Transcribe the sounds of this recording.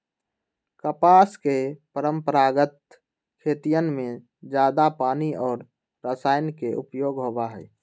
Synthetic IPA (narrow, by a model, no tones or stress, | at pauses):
kəpaːskepəɾəmpəɾaːɡət̪̚ | kʰeːt̪ijənmẽ | d͡ʒjaːd̪apaːniɔːɾ | ɾəsaːɪnkeʔʊpjoːɡɦoːbaɦɛ̰ː